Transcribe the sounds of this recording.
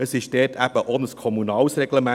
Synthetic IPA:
əsɪʃdɛːtʰæb̥əʔonəskʰɔmunɑːlsrɛɡləmæ

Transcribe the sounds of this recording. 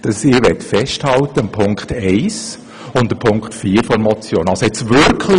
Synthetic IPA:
d̥ɑsɪːɾʋɛtfɛsthɑlt̪əmpʰʊŋkχtɛɪs | ʊndəpʰʊŋkχtfiːəɾfɔɾmɔt͡sjoːnɑlsoɛt͡sʋʏɾkʰlɪ

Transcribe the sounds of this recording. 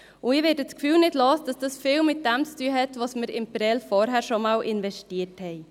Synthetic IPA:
ʊɪʋɛːdət͡skfyːlnɪdlɑːsd̥ɑsd̥ɑsfɪːlmɪt̚d̥ɛmt͡styːəɦɛtʋɑsməɾɪ̰mpɾɛlfɔːɾɦæːɾʃomɑːlʔɪnvɛʃtiːəthɛɪ

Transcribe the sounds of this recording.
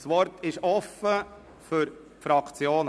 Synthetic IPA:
sʋɔɾtʰɪʃɔfːə | fʏɾ | fɾɑkt͡sjoːn

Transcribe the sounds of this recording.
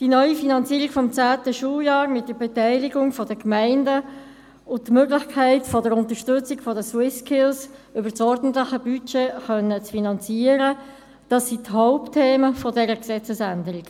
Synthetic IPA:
d̥inœʏifinɑnt͡siːɾikfɔmt͡sæːtəʃuːljɑːɾmɪt̚d̥əɾbɛtæɪliɡʊŋfɔdəkmæɪndə | ʊn̚tmøːɡlɪχkʰæɪtfɔdəɾʊnt̪əʃtʏt͡sikfɔdəswɪskʰɪlsʏbəsɔɾdn̩tlɪxəbyt͡ʃeːχœnːət͡sfinɑnt͡siːəɾə | d̥ɑsːithɔʊptʰeːməfɔdɛɾəksɛt͡səsændəɾik

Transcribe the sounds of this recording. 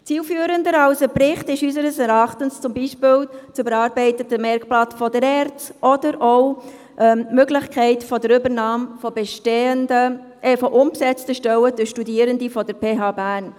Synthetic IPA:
t͡siːlfyːəɾəndəɾɑwsəpɾɪχtɪʃysəɾəsɛɾɑχtənst͡sʊmbiːʃpɪːlt͡sʏbəɾɑːɾbɛɪtətəmɛɾkplɑtfɔdəɾɛɾt͡sɔdəɾɔʊ | ʔɛmøɡlɪçkʰɛɪtfɔdəɾʏbəɾnɑːmfɔbɛʃteːəndə | ʔɛfɔʔʊmpsɛt͡stəʃtœwəd̥øʃtudiːəɾəndifɔd̥əɾpʰeːɦɑːbæːɾn

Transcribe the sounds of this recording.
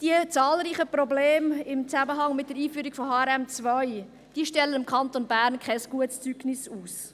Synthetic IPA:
d̥iət͡sɑːlɾiːχəprobleːmɪmt͡sæməɦɑŋmɪt̚d̥əɾiːfyːɾikfɔhɑːɛɾɛmt͡svœɪ | d̥iːəʃtɛlːənɪmkʰχɑntonbæːɾnkʰχɛsɡ̥uətst͡syɡ̥nɪsuːs

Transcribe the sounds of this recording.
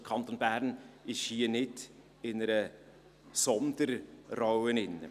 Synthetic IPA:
kʰɑnt̪onbæɾnɪʃhiːənɪd | ɪnəɾə | sɔnd̪əɾrawənɪnːə̰

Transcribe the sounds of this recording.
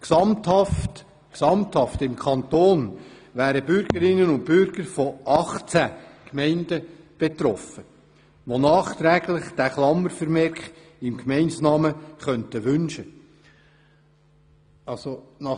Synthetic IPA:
ksɑmthɑft | ksɑmthɑftɪmkʰɑnt̪oːn | ʋæːɾəbʏɾɡəɾɪnənʊnt̚pʏɾɡ̥əɾfɔʔɑχt͡sækmɛɪndə | b̥et̪ɾɔfə | ʋonɑːχt̪ɾæɡlɪχd̥æχlɑmːəɾfəɾmɛɾkχ | ɪmkmɛɪnsnɑːməχœntəʋʏnʃə | ɑsonɑ

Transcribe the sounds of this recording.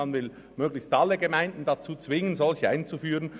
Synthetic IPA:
anvɪl | møːɡlɪçstɑlːəɡəmaɪndn̩dat͡suːt͡svɪŋənzɔlçəaɪnt͡sufyːʁən

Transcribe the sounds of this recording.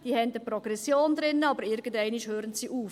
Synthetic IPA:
d̪̥iːhɛndəpɾɔɡ̥ɾɛsjoːnd̪ɾɪnːəɑbəɾɪɾɡən̩dɛɪniʃhøːɾənsiʔuːf

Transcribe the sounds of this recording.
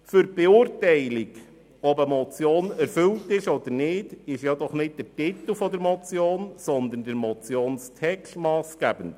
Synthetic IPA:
fʏɾb̥ɛʊːɾtɛɪliɡ | ɔbəmɔt͡sjoːnɛɾfɵltɪʃɔd̪əɾnɪːdɪʃjɑd̪ɔχnɪt̚d̥ətit̪əl̩fɔd̪əɾmɔt͡sjoːnsɔnd̪ən̩dəɾmɔt͡sjoːnstʰɛkstmɑːsɡ̥æbən

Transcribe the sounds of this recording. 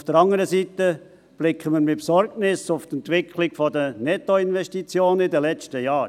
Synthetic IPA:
ʊfd̥əɾɑŋəɾəsiːt̪ə | b̥lɪkʰːəməɾmɪpsɔɾɡnɪsʊft̪ɛnt̪ʋɪkʰlɪɡfɔd̪ənɛtoɪnʋɛʃtit͡sjoːnidəlɛt͡ʃtəjɑː

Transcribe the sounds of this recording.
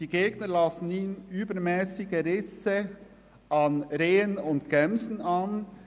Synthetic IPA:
d̥iɡeːɡnəlɑsn̩iːnyːbəɾmɛːsɪɡəɾɪsə | ɑnɾeːənʊntɡ̥ɛmzn̩ɑn

